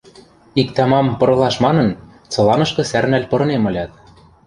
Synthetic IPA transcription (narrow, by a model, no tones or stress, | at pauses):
ikt̪ɑmɑmpɤ̆ɾɤ̆lˠɑʃmɑnɤ̆n | t͡sɤ̆lɑnɤ̆ʃkɤ̆særnælʲpɤ̆ɾɤ̆nemɤ̆lʲɑt̪̚